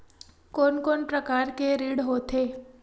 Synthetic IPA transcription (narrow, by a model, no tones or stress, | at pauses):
konkonpɾəkaɾkeɾiɽɦot̪ʰe